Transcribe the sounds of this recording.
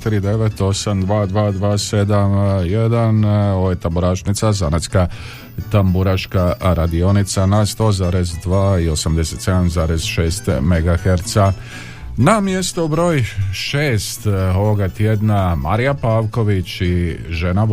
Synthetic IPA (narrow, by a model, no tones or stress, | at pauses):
t̪iɾid̪e̞ʋet̪o̞samd̪ʋaːd̪ʋaːd̪ʋaːse̞d̪amje̞d̪ano̞ojt̪ambuɾaːʃnit̪sazanat̪ska | t̪ambuɾaʃkaɾad̪io̞nit̪sanast̪o̞ːzaːɾezd̪ʋaːio̞samd̪e̞se̞t̪se̞d̪amzaːɾezʃe̞ːst̪meɡaxeɾt̪sa | namje̞st̪oubɾo̞ːjʃeːst̪oʋoɡat̪jed̪nama̰ɾijapaːʋko̞ʋit͡ɕiʒena